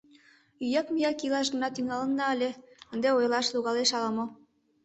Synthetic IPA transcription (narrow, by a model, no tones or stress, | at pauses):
yjɑkmijɑkilɑʃɡ̪ə̆nɑt̪yŋɑlə̆nːɑəlʲeənd̪eojlɑʃluɣɑleʃɑlɑmo